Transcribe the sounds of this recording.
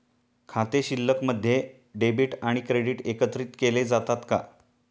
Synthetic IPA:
kʰat̪eɕilːəkməd̪ʱːje | ɖebiːʈaɽ̃ikɾeɽiːʈekət̪ɾiːt̪keled͡zat̪at̪ka̰

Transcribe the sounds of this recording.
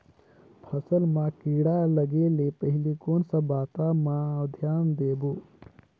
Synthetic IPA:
pʰəsəlmãkiːɽaləɡeːlepəɦɪlikoːnsabaːt̪amãəd̪ʱjaːnd̪eːboː

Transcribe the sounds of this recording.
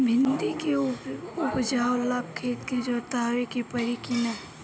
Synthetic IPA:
bʱɪnd̪ikeʊpd͡ʒaːolab̚kʰeːt̪ked͡ʒoːt̪aːɾikipɐɾikina

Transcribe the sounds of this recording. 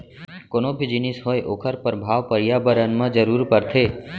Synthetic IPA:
konobʱid͡ʒinisɦojʔokʰəɾpəɾbʱaʋpəɾjabəɾənmãd͡ʒəɾuɾpəɾt̪ʰe

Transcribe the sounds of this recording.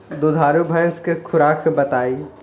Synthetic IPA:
d̪od̪ʱaːɾjubʱɐ̃jskekʰʊɾaːkʰbɐt̪aːiː

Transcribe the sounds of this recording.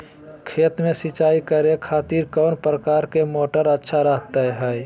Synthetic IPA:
kʰeːt̪mẽsɪt͡ʃaːikəɾekʰaːt̪iːɾkɔːnpɾəkaːɾkemoːʈəɾətːʃʰaɾəɦt̪aɦɛɛ

